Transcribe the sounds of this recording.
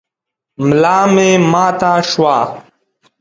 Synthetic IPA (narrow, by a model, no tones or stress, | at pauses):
mlaːmẽːmãːt̪aːʂwaː